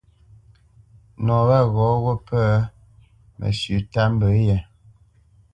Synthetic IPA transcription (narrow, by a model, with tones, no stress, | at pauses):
nɔ˨ba˦ɣɔ˨˦ɣo˦pʰə˦ | mʔə̰˨sʉ˨˦ta˦m̩˦bə˨˦jɛ˨